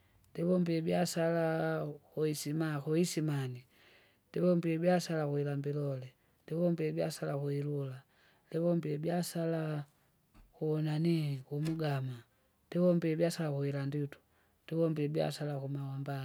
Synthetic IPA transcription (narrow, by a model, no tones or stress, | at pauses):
ndɛβɔmbiɛbjasalakuisimakuisimani | ndɛβɔmbiɛbjasalakuilambilɔlɛ | ndɛβɔmbiɛbja̰salakuilula | lɛβɔmbiɛbjasala | kuɔnanikumuɡama | ndɛβɔmbiɛbjasalakuilanditu̥ | ndiβɔmbiɛbja̰salakumawamba